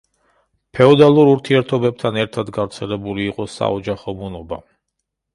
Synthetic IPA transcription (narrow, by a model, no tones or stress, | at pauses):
pʰɛɔd̪alˠuɾuɾt̪ʰiɛɾt̪ʰɔbɛb̚t̪ʰanɛɾt̪ʰad̪ɡavɾt̪sʰɛlɛbuliːqʼɔsa̰ɔd͡ʒaχɔmunɔba̰